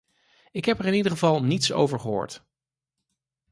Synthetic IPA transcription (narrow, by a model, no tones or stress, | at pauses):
ɪkɦɛpɛɹɪnidəχəvɑlˠnitso̰wvəɹχəɦo̰ːɹt